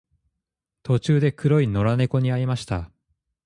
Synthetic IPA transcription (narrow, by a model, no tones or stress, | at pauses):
t̪o̞t͡ɕɨːd̪e̞kɯ̟ɾo̞ino̞ɾane̞ko̞ɲ̟iaɾʲimaɕi̥t̪a